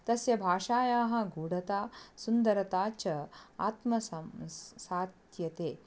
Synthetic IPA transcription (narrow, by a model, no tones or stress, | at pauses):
t̪ɐsjɐbʱaːʃaːjaːɦɐ̆ɡuːɽɐt̪aːsund̪ɐɾɐt̪aːt͡ʃɐa̰ːt̪mɐ | saːt̪jɐt̪eː